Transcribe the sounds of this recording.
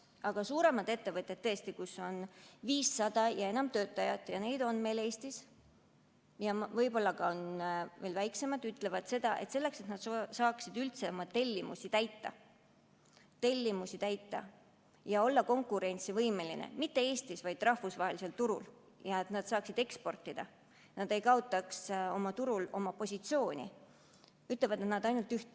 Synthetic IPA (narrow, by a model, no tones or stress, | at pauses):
ɑɡ̥ɑsuːɾe̞mɑd̪e̞t̪ːe̞vɤt̪ʲːˑe̞t̪ːɤest̪ikusːo̞nviːsːɑd̪̥ɑjɑe̞nɑmt̪ø̞ːt̪ˑːɑjɑt̪ˑjɑne̞jd̪̥o̞nme̞ːle̞ːst̪is | jɑvɤjbo̞lːɑɡ̥ɑonve̞ːlvæjkse̞mɑd̪yt̪ːˑle̞vɑd̪̥se̞d̪̥ɑʔe̞t̪se̞lːe̞kse̞t̪nɑd̪̥sɑːksid̪ylt̪semɑt̪ːe̞lʲːimṵsit̪æjt̪ːɑ̰ | t̪e̞lʲːimusit̪æjt̪ːɑ̰ | jɑo̞lːɑko̞ŋkːˑuɾe̞nʲt̪sivɤjme̞lḭnḛmit̪ːe̞e̞ːsʲt̪isvɑjd̪̥rɑhfusvɑɦe̞lise̞lt̪uɾṵl | jɑet̪nɑd̪̥sɑːksid̪̥e̞kspo̞rt̪ːˑid̪̥ɑ̰ | nɑd̪̥e̞jkɑot̪ːˑɑkso̞mɑt̪uɾulo̞mɑpo̞sʲit̪sio̞ːnʲḭ | yt̪ˑle̞vɑd̪e̞t̪nɑd̪ɑjnult̪ːyht̪